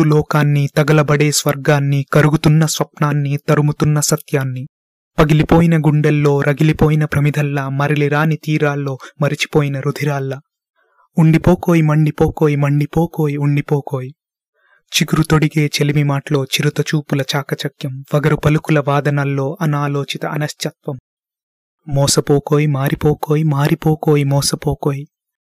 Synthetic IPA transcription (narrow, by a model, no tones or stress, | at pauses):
ulɔːkaːnːit̪ɐɡɐlɐbɐɽe̞ːsʋɐɾɡaːnːikɐɾuɡut̪unːɐsʋɐpnaːnːit̪ɐɾumut̪unːɐsɐt̪jaːnːi | pɐɡilipo̞ːjinɐɡuɳɖɛlːo̞ːɾʔɐɡilipoːjinɐpɾɐmid̪ʱɐlːɐmɐɾiliɾaːnit̪iːɾaːlːo̞ːmɐɾit͡ʃi̥poːjinɐɾud̪ʱiɾaːlːɐ | uɳɖipoːko̞ːjimɐɳɖipoːko̞ːjimɐɳɖipoːko̞ːjiuɳɖipoːkoːji | t͡ʃiɡuɾut̪o̞ɽiɡe̞ːt͡ʃelimimaːʈɐlo̞ːt͡ʃiɾut̪ɐt͡ʃuːpulɐt͡ʃaːkɐt͡ʃɐkjɐmʋɐɡɐɾupɐlukulɐʋaːd̪ɐnɐlːo̞ːʔɐnaːlo̞ːt͡ʃit̪ɐʔɐnɐʃt͡ʃɐt̪ʋɐmː | ɔːsɐpoːkoːjimaːɾipoːkoːjimaːɾipoːkoːjimɔːsɐpoːkoːji